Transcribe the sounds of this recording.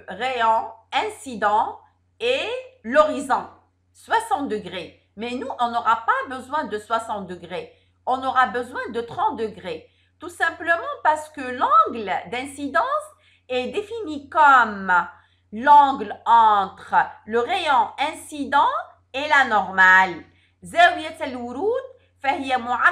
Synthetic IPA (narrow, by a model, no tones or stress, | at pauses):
ʁeɑ̃ɛ̃sid̪ɑ̃ | elɔʁizɔ̃ | swasɑ̃t̪̚d̪əɡʁe | mɛnuʔɔ̃nɔʁapabəzwɛ̃d̪əswasɑ̃t̪̚d̪əɡʁe | ɔ̃nɔʁabəzwɛ̃d̪ət̪χɑ̃t̪̚d̪əɡʁe | t̪usɛ̃pləmɑ̃paʁsə̥kəlɑ̃ɡld̪ɛ̃sid̪ɑ̃s | ɛd̪efinikɔm | lɑ̃ɡlɑ̃t̪χələʁeɔ̃ɛ̃sid̪ɑ̃ | ɛlanɔʁmal | zɛiɛt̪ɛlwuɾud̪ | fahijamua